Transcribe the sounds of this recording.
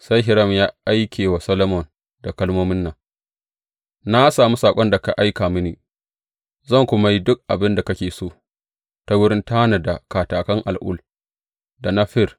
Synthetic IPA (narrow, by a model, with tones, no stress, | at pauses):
sa˦jɦɪ˨ɾɐ˦˨mjaː˦ʔa˦jkʲʰeː˨wa˨sɐ˦lo˦mɔ˨n | da˨kɐ˦lmoː˦mɪ˦nːɐ˨ŋ | na˦saː˨mu˦saː˨kʷʼɔ˦nda˨ka˨ʔa˦jkaː˨mɪ˦niː˨ | zɐ˦˨ŋkʷʊ˦ma˦ji˦dʊ˦k̚ʔa˨bɪ˦nda˨kɐ˦kʲeː˨soː˦˨ | ta˦wʊ˦ɾɪ˦ntaː˦na˨da˨kaː˨taː˨kɐ˦ŋʔa̰˨lʔʊ̰˦˨l | da˨na˦ɸɪ˦r